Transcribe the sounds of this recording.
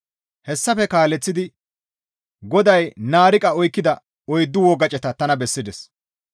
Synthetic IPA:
hɛsːɐfɛkaːlɛt͡sːɪd̪ɪ | ɡɔd̪ɐjnaːɾɪkʼɐɔjkːɪd̪ɐ | ɔjd̪ːʊwɔɡɐt͡ʃʼɛt̪ɐt̪ɐnɐbɛsːɪd̪ɛs

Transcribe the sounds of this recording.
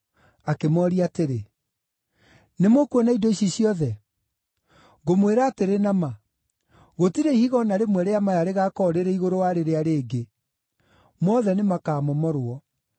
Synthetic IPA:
akemɔɾiateɾe | nemokwenaidɔiɕiɕjɔðɛ | ɣomweɾaːteɾenama | ɣotiɾeihiɣɔnaɾemwɛɾeamajaɾeɣaːkɔɾeɾɛiɣoɾowaɾeɾeaɾeːɡe | mɔðɛnemakaːmɔmɔɾwɔ

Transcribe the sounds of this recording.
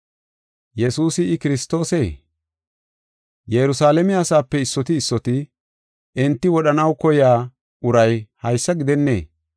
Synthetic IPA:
jɛsuːsɪɪkɪɾɪst̪o̞ːseː | jɛɾʊsaːlɛmɪɐsaːpːɛɪsːɔt̪ɪːsːɔt̪ɪ | ɪnt̪ːɪwɔɗɐnɐwkɔjaː | ʊɾɐjhɐjsːɐɡɪd̪ɛnːḛː

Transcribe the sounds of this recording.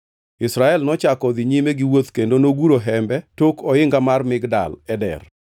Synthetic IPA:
ɪsɾaɛlnɔt͡ʃakɔd̪ɪɲimeɡɪwot̪kendonoɡuɾoɦɛmbɛtokɔɪŋɡamarmɪɡda̰lɛdɛ̰r

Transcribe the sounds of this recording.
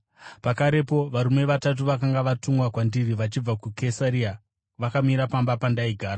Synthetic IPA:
pakaɾe̞po̞ʋaɾume̞ʋatat̬uʋakaŋɡaʋatuŋwakwandiriʋat͡ʃib͡vakukʰesaɾia | ʋakamiɾapambapandaiɡʱaːɾa

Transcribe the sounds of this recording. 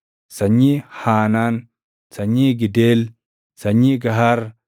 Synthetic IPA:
sɐɲːiːhaːnaːn | sɐɲːiːɡɪdeːl | sɐɲːiːɡɐɦɐɾ

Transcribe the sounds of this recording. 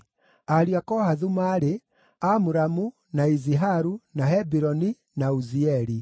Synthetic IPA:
aɾiakɔhaðumaːɾe | amuɾamu | naiziɦaɾunaɦɛbiɾɔni | nauziɛɾi

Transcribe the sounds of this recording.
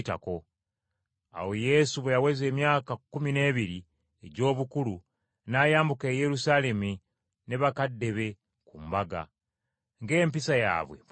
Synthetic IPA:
ta̰ko̞ | a̰wo̞je̞suβejaweze̞ːmjaːkakumine̞ːβiɾi | eɟo̞ːβukulu | najaːmbuke̞ːje̞ɾusaːle̞mu | ne̞βakadːe̞βe̞ | kumbaɡa̰ | ŋɡe̞ːmpisaja̰ːβwe̞̰

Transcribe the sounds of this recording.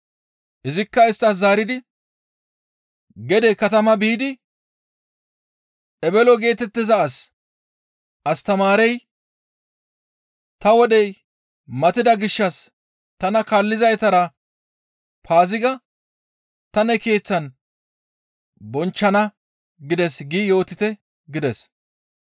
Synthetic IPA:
ʔɪzɪkːɐɪst̪ːɐs̬zaːɾɪd̪ɪ | ɡɛd̪ɛkɐt̪ɐmɐbiːd̪ɪ | ʔɛbɛlɔɡe̞ːt̪ɛt̪ːɪzɐːs | ʔɐst̪ɐmaːɾɛj | t̪ɐwɔd̪ɛj | mɐt̪ɪd̪ɐɡɪʃːɐs | t̪ɐnɐkalːɪzɐjt̪ɐɾɐ | pʰaːzɪɡɐ | t̪ɐnɛke̞ːt͡sːɐn | bɔnt͡ʃːɐnɐ | ɡɪd̪ɛsɡɪjo̞ːt̪ːɪt̪ɛ | ɡɪd̪ɛs

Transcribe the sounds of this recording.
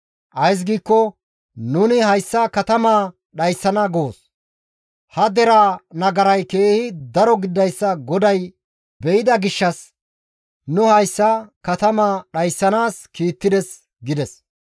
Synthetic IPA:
ʔɐjs̬ɡiːkːɔ | nʊnɪhɐjsːɐkɐt̪ɐmaː | ɗɐjsːɐnɐɡoːs | hɐd̪ɛɾaːnɐɡɐɾɐjke̞ːhɪd̪ɐɾɔɡɪd̪ːɐjsːɐɡɔd̪ɐj | bɛɪd̪ɐɡɪʃːɐs | nʊhɐjsːɐkɐt̪ɐmaːɗɐjsːɐnaːskiːt̪ːɪd̪ɛs | ɡɪd̪ɛs

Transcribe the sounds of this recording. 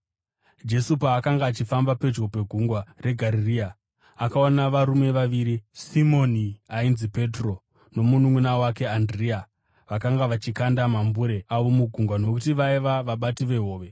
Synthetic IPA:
d͡ʒe̞supaːkaŋɡaːt͡ʃifambape̞d͡ʒo̞pe̞ɡʱuŋɡware̞ɡʱaɾiriːa | akaonaʋaɾume̞ʋaʋiːɾisimo̞niainzipe̞tro̞ | no̞munuŋwunawake̞andria | ʋakaŋɡaʋat͡ʃikandamambuɾe̞aʋo̞muɡʱuŋɡwanok̬utiʋaiʋaʋaɓatiʋe̞ɦo̞ːʋe̞

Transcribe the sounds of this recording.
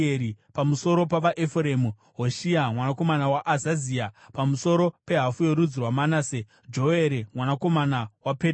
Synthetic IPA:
eɾipamuso̞ɾo̞paʋaʔefremu | ɦo̞ʃiamwanako̞manawaʔazaziapamuso̞ɾo̞pe̞ɦafuje̞ɾud͡zirwamanaːse | d͡ʒo̞e̞ɾemwanako̞manawape

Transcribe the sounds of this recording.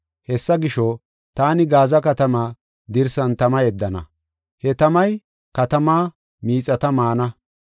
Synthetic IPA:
hɛsːɐɡɪʃɔ | t̪aːnɪɡaːzɐkɐt̪ɐmaː | d̪ɪɾsɐnt̪ɐmɐjɛd̪ːɐnɐ̰ | hɛt̪ɐmɐj | kɐt̪ɐmaː | miːt͡sʼːɐt̪ɐmaːnɐ

